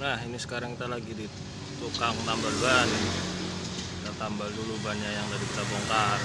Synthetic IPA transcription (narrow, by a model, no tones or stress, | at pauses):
naɦinisə̥kaɾaŋkit̪alaɡidi | t̪ukaŋt̪ambalban | kit̪at̪ambaldulubanajaŋt̪adikit̪abɔŋkar